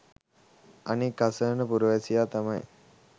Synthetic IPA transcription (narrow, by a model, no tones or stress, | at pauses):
anikːasəːnəpuɾuʋesijaːt̪amɐj